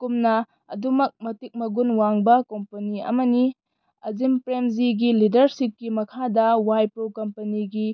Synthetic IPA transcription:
kumnɐ | ɐ̰dumɐk̚mɐtik̚mɐɡunwaŋbɐkompɐniɐ̰mɐni | ɐzimpɾemziɡilidɐɾsip̚kimɐkʰadɐwajpɾowkɐmpɐniɡi

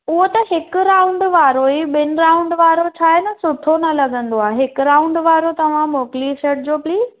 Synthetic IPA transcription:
ʊɦot̪ɐɦɪkɾaːʊ̃ɳɖʋaːɾoiɓɪnʊɾaːʊ̃ɳɖʋaːɾot͡ɕʰaːɦɪnɐ̆sʊt̪ʰonɐlɐɠə̃nd̪oaːɦeɦɪkʊɾaːʊ̃ɳɖʋaːɾot̪ɐʋ̤ãmoːkliʃeːʈ̚d͡ʑoːpliːz

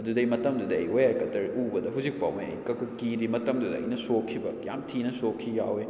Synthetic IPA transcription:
ɐdudɐjmɐtɐmdudɐ̰ːjojakɐtɐɾubɐdɐɦawzik̚pa̰wmeɐ̰jkɐkʰɐkiɾimɐtɐmdudɐɐ̰jnɐsokʰːibɐja̰mtʰinɐsokʰːija̰we

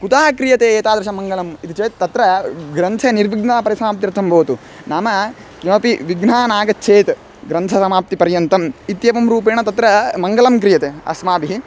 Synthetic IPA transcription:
kut̪aːkɾijɐt̪eːt̪aːd̪ɐʃɐmɐŋɡɐlɐmit̪it͡ʃeːt̪t̪ːɐt̪ɾɐɡɾɐnt̪ʰeniɾʋiɡnapɐɾisɐmaːp̚t̪iɾt̪ʰːɐmbɐʋt̪u | naːmɐ | kimɐpiʋiɡnaːnaːɡɐt͡ʃʰeːt̪ | ɡɾɐnt̪ʰɐsɐmaːp̚t̪ipɐɾjɐnt̪ɐmit̪jɐʋɐmɾuːp̬eːɳɐt̪ɐt̪ɾɐmɐŋɡɐlɐmkɾijɐt̪eːɐ̰smaːbiɦi

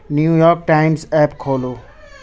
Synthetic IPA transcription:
njuːjɔːɾk̚ʈaɪmsɛːpkʰoːlo

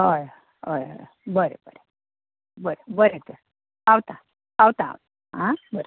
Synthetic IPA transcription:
ɦəj | ɦəjɦə̰j | bəɾḛbəɾe | bəɾebəɾet̪əɾ | awt̪a | awt̪a̰ːwt̪a | ɦãbəɾe

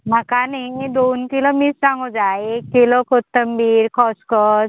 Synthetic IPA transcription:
m̤əkanaiid̪onkilomissãŋɡod͡zaekːilokʰott̪ːəmbiːɾkʰɔskɔs

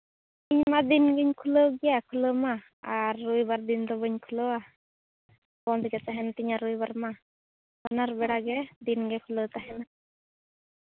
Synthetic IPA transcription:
t̪iɲmad̪inɡiɲkʰulowɡijakʰuləma | aɾːujbaɾd̪int̪ɔbəɲkʰulowa | kɔnt̪ʰikɛt͡saɦɛnt̪iɲaɾujbaɾma | kanaɾbɛɽaɡɛd̪inɡɛkʰulot̪aɦɛna

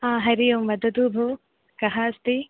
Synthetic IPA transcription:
ɦãːɦɐɾijomʋɐd̪ɐd̪uːbʱoː | kɐɦaːst̪i

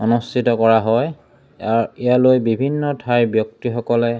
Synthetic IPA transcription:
ɔnustʰitɔkɔɹaɦɔj | aɹijalojbibʱinːɔtʰajbjɔk̚tixɔkɔlɛ

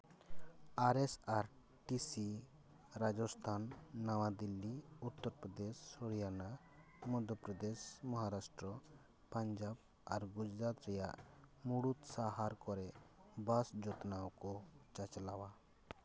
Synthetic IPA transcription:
aɾesaɾ | ʈisi | ɾad͡ʒɔst̪ʰanːawad̪ilːiut̪ːɔɾpɾɔd̪esːɔɽjana | mɔd̪ʱɔpɾɔd̪esmɔɦaɾasʈɾɔ | paɲd͡ʒab | aɾɡud͡ʒɾat̪ɾɛja̰ʔmuɽut̪saɦaɾkɔɾɛbasd͡ʒɔt̪nawkɔt͡ʃat͡ʃlawa

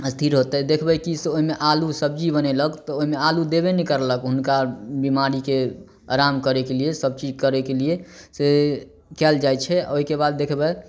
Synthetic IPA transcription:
əst̪ʰiɾɦot̪ɛd̪ekʰbɛkiseoɦimeʔalusəbd͡ʒibənɛləkt̪ɔoɦimealud̪eβenikəɾləkɦunkabimaɾike | a̰ɾamkəɾekelijesəb̚t͡ʃid͡ʒkəɾɛkeliese | kɛld͡ʒajt͡ʃʰɛ̰oɦikebad̪̚ːekʰbɛ

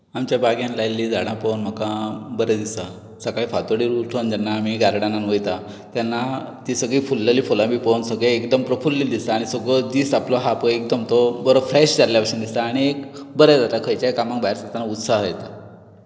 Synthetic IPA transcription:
amt͡ɕjabaɡjãnlajlːiːd͡zaɽãpownm̤əkabəɾəd̪isa | səkaifat̪oɽiɾuʈʰond͡ʑanːaːm̤iɡaɾɽananʋojt̪a | t̪janːat̪isəɡɭiːfulːeliːfolãbʱiːpownsəɡɭeekd̪əmpɾəfulːiːd̪ist̪aːɽ̃isəɡɭɔd̪iːsaplɔɦapəek̚d̪əmt̪ɔbəɾofɾɛɕd͡zaɾljapaɕənd̪ist̪aːɽ̃iekbəɾɛd͡zat̪akʰəjt͡ɕjajkamãkbaɦeɾsat̪anaut̪saɦəjt̪a

